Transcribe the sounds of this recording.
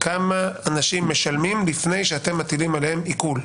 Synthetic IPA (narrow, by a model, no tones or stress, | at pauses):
kamaanaʃimːe̞ʃalmimlifne̞jʃeat̪e̞mːat̪ilimalehemikul